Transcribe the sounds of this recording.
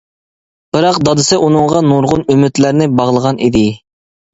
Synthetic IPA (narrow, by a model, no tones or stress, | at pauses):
b̥ɨɾɑqd̪ɑd̪ɨsɨʔunɨŋʁɑnuɾʁʊnymyt̪læɾnɪbɑʁlˠəʁɑnʔid̪ɪ